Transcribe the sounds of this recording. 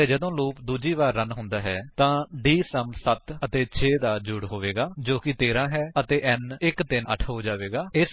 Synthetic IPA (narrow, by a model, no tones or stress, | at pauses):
ed͡ʒəd̪õːloːpd̪uːd͡ʒiːʋaːɾːənɦʊ̃nd̪aːɦɛːt̪ãːɖiːsəmsət̪ət̪eːt͡ʃʰeːd̪aːd͡ʒʊɽɦoːʋeːɡaːd͡ʒoːkɪt̪eːɾãːɦɛːət̪eːʔɛnɪkt̪ɪnə̰ʈʰɦoːd͡ʒaːʋeːɡaːɪs